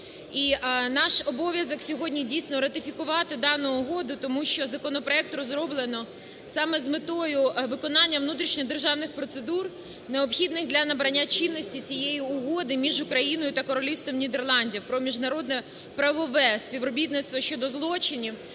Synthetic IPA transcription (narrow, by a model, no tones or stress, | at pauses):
inɑʃɔbɔʋʲjɐzɔksʲɔɦɔdʲnʲidʲijsʲnɔɾɐt̪ɪfʲikʊʋɑt̪ɪd̪ɑnʊʊɦɔd̪ʊt̪ɔmuʃt͡ʃɔzɐkɔnɔpɾɔɛk̚t̪ɾɔzɾɔblˠenɔ | sɑmɛzmɪt̪ɔjʊʋɪkɔnɑnʲːɐʋnut̪ɾʲiʃnʲɔd̪erʒɑwnɪxpɾɔt̪sed̪ur | neɔpxʲid̪nɪxd̪lʲɐnɐbɾɐnʲːat͡ʃinːɔsʲtʲit͡sʲijejiʊɦɔd̪ɪmʲiʒʊkɾɐjinɔjʊt̪ɐkɔɾɔlʲiwst̪ʋɔmnʲid̪erlˠɑnʲdʲiwpɾɔmʲiʒnɐɾɔd̪nɛ | pɾɐʋɔʋɛsʲpʲiʋɾɔbʲit̪nɪt̪st̪ʋɐʃt͡ʃɔd̪ɔzlˠɔt͡ʃɪnʲiw